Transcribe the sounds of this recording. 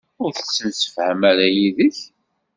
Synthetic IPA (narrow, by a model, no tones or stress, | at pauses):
ʊɾθə̥sːənsə̥fhəmæɾæjiðəç